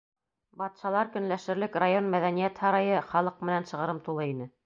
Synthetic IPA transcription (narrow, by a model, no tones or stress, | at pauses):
bɑt̪ʃɑlˠɑɾkɵ̆nlæʃɘ̆ɾlɘkrajonmæðænijæt̪hɑɾɑjɤχɑlˠɤq̚mɘ̆nænʃɤ̆ʁɤ̆ɾɤmt̪ulˠɤinɘ